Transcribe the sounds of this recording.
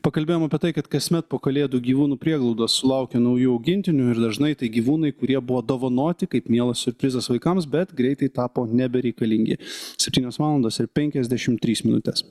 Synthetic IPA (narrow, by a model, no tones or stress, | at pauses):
pɐkɐlʲbʲeːjomɐpʲiɛt̪ɐɪkɐt̪kɐsʲmʲɛt̪̚poːkɐlʲeːd̪uːɡʲiːʋuːnuːpʲɾʲiɛɡlˠɒʊd̪ɐssʊlˠɐˑʊkʲɛnɐʊjuːɐʊɡʲɪnʲt̪ʲɪnʲʊɪɾd̪ɐʒnɐɪt̪ɐɪɡʲiːʋuːnɐɪkʊɾʲiɛbʊʋoːd̪oːʋɐnoːt̪ʲɪkɐɪpmʲiɛlˠɐssʲʊɾʲpʲɾʲɪzɐsʋɐɪkɐmsbʲɛt̪ɡɾʲɛɪt̪ɐɪt̪ɑːpoːnʲɛbʲɛɾʲɛɪkɐlʲɪŋʲɡʲɪ̰sʲɛpʲt̪ʲiːnʲoːsʋɑːlˠɐnd̪oːsɪɾpʲɛŋʲkʲɛzʲd̪ʲæʃʲɪmt̪ʲɾʲiːsmʲɪnʊt̪ʲɛs